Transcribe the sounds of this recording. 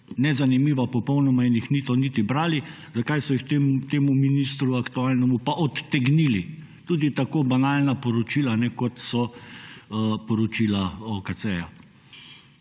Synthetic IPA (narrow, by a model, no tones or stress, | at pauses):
nɛzanimiːʋapɔpɔwnɔmainjixnit̪onit̪ibɾaːli | zakajsɔjikt̪emt̪eːmuminist̪ɾuakt̪uaːlnɛmupaʔɔt̪ːɛɡnili | t̪uːd̪it̪akoːbanaːlnapɔɾɔt͡ʃiːlanɛkɔt̪sɔ | pɔɾɔt͡ʃilaɔkat͡s̪ɛja